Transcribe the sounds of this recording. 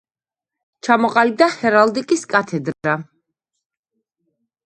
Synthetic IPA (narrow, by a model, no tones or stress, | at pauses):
t͡ʃʰamɔqʼalib̚d̪ahɛɾald̪ikʼiskʼat̪ʰɛd̪ɾa